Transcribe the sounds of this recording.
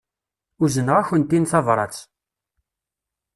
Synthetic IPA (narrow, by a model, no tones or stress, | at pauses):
uzənəʁæçənt̪inθɑvɾˤɑ̰t͡s